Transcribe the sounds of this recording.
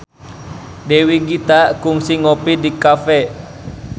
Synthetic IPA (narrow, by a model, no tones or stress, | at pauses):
dɛwiɡit̪akuŋsiŋɔpidikafɛ